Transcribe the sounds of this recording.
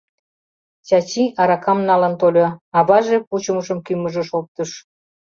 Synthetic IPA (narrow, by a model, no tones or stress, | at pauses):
t͡ɕɑt͡ɕiʔɑɾɑkɑmnɑlənt̪olʲoɑβɑʒeput͡ɕəməʃəmkyməʒəʃop̚t̪əʃ